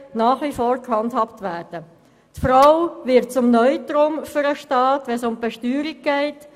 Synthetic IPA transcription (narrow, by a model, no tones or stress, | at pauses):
naːχʋifɔːɾkhɑndhɑptʋæːɾd̥ə | tfɾaʊvɪt̚t͡sʊmnœʏtɾomfyɾəʃtɑːtʋɛnsʊmbɛʃtyːɾiɡ̚ɡ̥ɛɪt